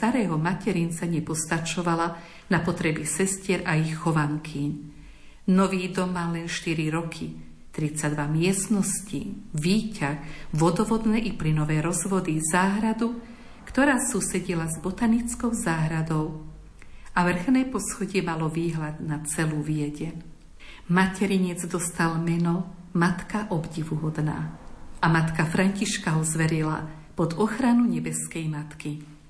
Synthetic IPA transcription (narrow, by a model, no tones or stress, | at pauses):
st̪aɾɛːɦɔmacɛɾint͡saɲɛpɔst̪at͡ʃɔʋala | napɔt̪ɾɛbisɛscɪɛɾʔaixːɔʋaŋkʰiɲ | nɔʋiːd̪ɔmːaːlɛnʃt̪iɾiɾɔkʰi | t̪ɾit͡sad̪ʋamɪɛst̪nɔsciʋiːcaxʋɔd̪ɔʋɔd̪nɛːʔiplinɔʋɛːɾɔzʋɔd̪izaːɦɾad̪u | kt̪ɔɾaːsuːsɛɟilazbɔt̪anit͡skɔʊzaːɦɾad̪ɔʊ | aʋr̩xnɛjpɔsxɔɟɪɛmalɔʋiːɦlad̪nat͡sɛluːʋijɛɟɛɲ | macɛɾiɲɛd͡zd̪ɔst̪almɛnɔ | mat̪kaʔɔbɟiʋuɦɔd̪na̰ːʔamat̪kafɾaɲciʃkaɦɔzʋɛɾila̰ | pɔd̪ɔxɾanuɲɛbɛskɛjmat̪ki